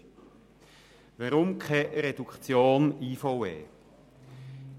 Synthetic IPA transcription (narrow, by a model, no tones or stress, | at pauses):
vaɾʊmkʰɛɾed̥ukt͡sjoːniːfɔwɛ̰ː